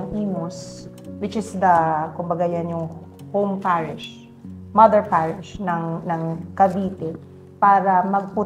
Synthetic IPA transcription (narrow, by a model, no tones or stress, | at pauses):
ŋʔiːmos | wɪt͡ʃɪsd̪ɐkʊmbɐɡajanjʊŋhowmpaɹɪʃ | mɐðɛɹpaɹɪʃnɐŋnɐŋkɐbiːt̪ɛ | paːɾɐmɐɡ̚pʊ